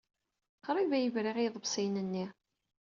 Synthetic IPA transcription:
qɾˤivæjəvɾiʁiðˤəbsˤijnənːi

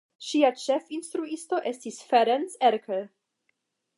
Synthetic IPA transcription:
ʃiat͡ʃefinst̪ɾuisto̞ʔe̞stisfeɾenseɾkʰəl

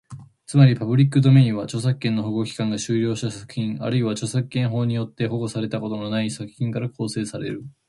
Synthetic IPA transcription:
t͡sɨmaɾʲipabɯ̟ɾʲikːɯ̟d̪o̞me̞ĩɰ̃βat͡ɕo̞s̬akːẽ̞nːoɦoɡokʲi̥kãŋɡaɕɨːɾʲo̞ːɕi̥t̪asakɯ̟̥çĩŋa̰ɾɯ̟iβat͡ɕo̞sakːẽ̞ɰ̃ɦo̞ːɲ̟ijo̞t̪ːe̞ho̞ɡo̞saɾe̞t̪ako̞t̪o̞no̞naisakɯ̟̥çĩŋkaɾakʰo̞ːse̞ːsaɾe̞̰ɾɯ̟

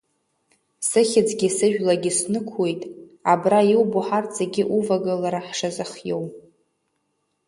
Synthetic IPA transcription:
sɨχʲɪd͡zʼɡʲisɨʒᶣlaɡʲɪsnɨkʷʰwe̞jtʼ | abrajiwbuħarzaɡʲɪʔuvaɡalaɾaħʂazɨχjow

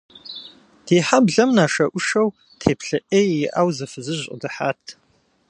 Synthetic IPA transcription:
d̥iːħabɮɐmnaːʃɐʔʷʊʃɐw | tʰeːpʰɬɐʔeːjjɪʔaːwzɨfɨzɨʑʼdɨħaːtʰ

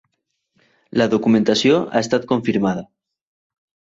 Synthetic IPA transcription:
laðokumẽnt̪asjoa̰est̪at̪̚ko̞ɱfiɾmað̞a

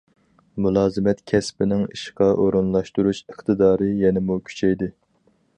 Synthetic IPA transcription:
mulˠɑːzɨmɛt̪kʲʰɛspɪnɪŋḭʃqɑʔoɾunlˠɑʃt̪uɾuʃəχt̪ʰɨd̪ɑːɾɨjɛnɪmukʲʰy̥t͡ʃʰɛjd̪ɪ

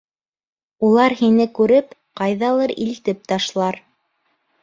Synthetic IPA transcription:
ulˠɑɾhinɘkʉɾɘpqɑjðɑlˠɤɾḭlt̪ɘp̚t̪ɑʃlˠɑɾ

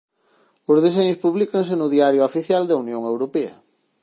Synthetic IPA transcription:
ʊzð̞eseɲʊspuβlikɐŋs̬enʊðiaɾjoafiθjald̪ɐunjõŋewɾopeɐ̰

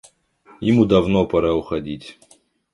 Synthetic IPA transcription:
jɪmud̪ɐvnopɐɾaʊxɐdʲitʲ

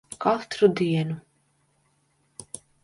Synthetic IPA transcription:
kalˠt̪ɾud̪iɛnu

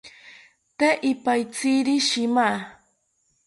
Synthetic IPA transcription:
t̪eʔɪpajt͡siɾiʃɪmaː

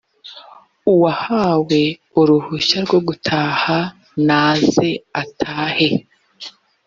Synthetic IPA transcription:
uwahaːwe̞ | uɾuhuʃaɾɡo̞ɡutʰaːha | naːze̞atʰaːhe̞

